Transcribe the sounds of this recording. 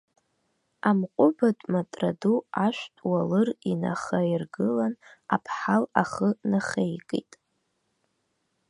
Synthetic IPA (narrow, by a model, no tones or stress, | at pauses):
amqʷʼʊbatʼmatʼraduaʃʷᶣtʼwalɨrina̰χairɡɨlanapʰħalaχənaχejkʼḭtʼ